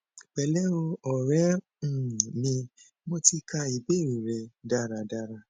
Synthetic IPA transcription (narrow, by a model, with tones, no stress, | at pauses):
k͡pɛ˧˦lɛ˦o˧ɔ˨ɾɛ̃˦˨ | nĩ˧ | mɔ̃˦ti˧kʰa˧i˨be˨˦˨ɾĩ˨ɾɛ˧da˦˨ɾa˧da˧ɾa˧˨